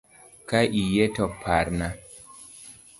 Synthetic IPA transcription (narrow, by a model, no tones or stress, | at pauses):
kaʔijetɔpʰaɾna